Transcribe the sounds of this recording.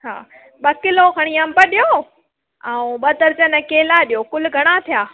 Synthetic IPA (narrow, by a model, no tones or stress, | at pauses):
t͡ɕʰa̰ː | ɓɐkɪlokʰɐɽ̃iɐmbəɗijoː | ãũɓɐt̪ɐɾt͡ɕənɐkeːlaɗijoːkʊlɡʱɐɽ̃at̪ʰijaː